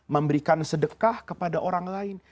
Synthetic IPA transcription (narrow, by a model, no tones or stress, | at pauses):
məmbəɾikansədəkahkəpadaʔoɾaŋlaɪn